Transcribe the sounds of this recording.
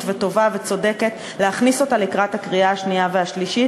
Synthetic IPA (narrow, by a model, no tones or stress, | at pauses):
tveto̞vave̞t͡so̞de̞ke̞t | leaχniso̞talekʁathakʁiaaʃniaveaʃliʃi